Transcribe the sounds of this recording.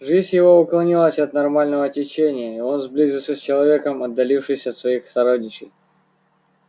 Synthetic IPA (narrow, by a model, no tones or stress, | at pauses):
ʐɨzʲjɪvo̞ʊklˠɐnʲilˠəsʲɐt̪nɐrmalʲnəvəːtʲɪt͡ɕenʲɪjəio̞nzblʲizʲɨlˠsʲəsʲt͡ɕɪlˠɐvʲe̞kəmɐd̪ːɐlʲifʂɨjsʲəɐt̪svɐixst̪ɐɾodʲnʲɪt͡ɕɪj